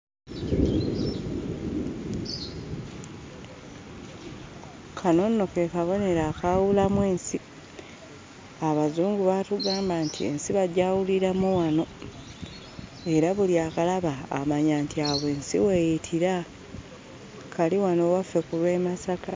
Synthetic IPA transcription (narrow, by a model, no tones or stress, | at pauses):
kʰano̞nːo̞ke̞kaβo̞ne̞ɾaːkawulamwe̞ːnsi | aβazuːŋɡuβatuɡaːmbantie̞̰nsiβaɟaːwuliɾamuwano̞ | e̞ɾaβuliaːkalaβa̰ːmaɲaːntiaβe̞ːnsḭwe̞jitʰiɾa | kaliwano̞wafːe̞kulwe̞ːmasaka